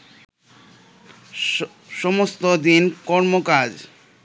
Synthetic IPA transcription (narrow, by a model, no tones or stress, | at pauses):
ʃɔmost̪od̪inkɔɾmokad͡ʑ